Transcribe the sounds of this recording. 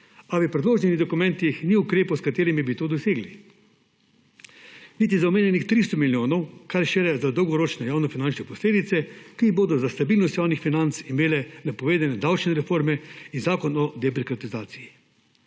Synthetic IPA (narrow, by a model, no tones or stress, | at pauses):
aʋipɾɛd̪loːʒniɛniɣd̪ɔkumɛ̃nt̪ixniukɾeːpowskat̪eːɾimibit̪oːd̪ɔseːɡli | nit̪izaɔmeːnʲjɛnixt̪ɾist̪ɔmiljoːnɔwkaɾʃeɾɛzad̪ɔwɡɔɾoːt͡ʃnɛjaːwnɔfinant͡ʃnɛpɔsleːd̪it̪sɛkiboːd̪ɔzast̪abiːlnɔst̪jaːwnixfinant̪simeːlɛnapɔʋeːd̪anɛd̪awt͡ʃnɛɾɛfoɾmɛinzaːkɔnɔd̪ɛbɾikɾat̪izaːt̪sii